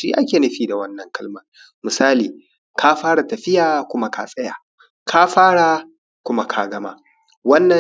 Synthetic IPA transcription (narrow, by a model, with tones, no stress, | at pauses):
ʃḭ˦ʔa˦kʲeː˨nɐ˦ɸiː˦da˨wɐ˦nːɐ˨ŋkɐ˦lmɐ˨ŋ | mɪ˨saː˦liː˨ | kʰaː˦ɸaː˦ɽa˨tɐ˨ɸɪ˦jaː˨kʷʊ˦ma˦ka̰ː˦sʼɐ˦ja̰ː˨ | kʰa˦ɸaː˦ɽa˨ | kʷʊ˦ma˦kʰa˨˦ɡɐ˦ma̰˦ | wɐ˦nːɐ˨